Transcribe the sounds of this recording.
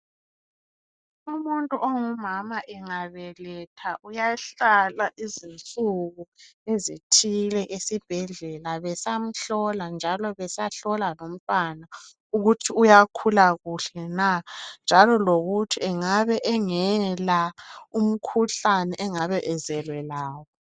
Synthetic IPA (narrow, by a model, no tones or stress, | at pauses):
umuntʼuʔoŋumamaʔɛŋaβɛlɛtʰaʔujaɬalaʔizint͡sʼuɣuezitʰilɛʔesib̥ʱɛɮɛlaβɛsam̩ɬɔland͡ʒʱalɔβɛsaɬɔlalom̩tʼwana | uɣutʰiujakʰulaɣuɬɛnand͡ʒʱalɔloɣutʰiɛŋaβɛʔɛŋɛlaum̩kʰuɬanɛʔɛŋaβɛʔɛzɛlwɛlaːpʰɔ